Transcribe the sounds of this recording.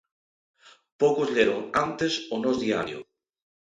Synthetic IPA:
pokʊzʎeɾoŋant̪esonɔzðia̰ɾjʊ̰

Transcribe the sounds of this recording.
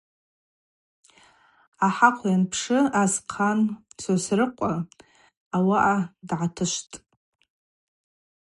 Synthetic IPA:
aħaqʷʰjanpʰʂɨazqʰant͡sʰosrɨqʷʼa | awaʔadʕatʰɨʃʷtʼ

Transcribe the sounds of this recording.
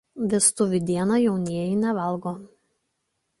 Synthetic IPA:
ʋʲɪst̪ʊʋʲɪd̪ʲiɛnɑjɛʊnʲiɛjɪnʲɛʋɐlˠɡoː

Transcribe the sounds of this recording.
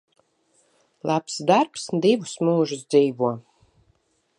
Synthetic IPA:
lˠʔapsd̪aɾpsd̪ivusmuːʒɨs̬d̪ziːvuɔ

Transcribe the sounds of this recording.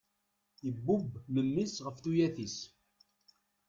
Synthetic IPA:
əbːubməmːisʁəfθujæθis

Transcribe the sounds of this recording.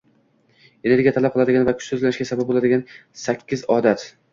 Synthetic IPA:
eneɾɡʲijat̪ʰalap̚qʰlˠad̪ɪɡʲanvakʲʰʊ̥t͡ʃsɵzlanɪʃɡʲasabab̚bolˠad̪ɪɡʲansakʲʰːɪzɒd̪at̪

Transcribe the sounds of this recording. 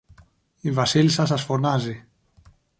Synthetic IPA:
ivasilsasasfonazi

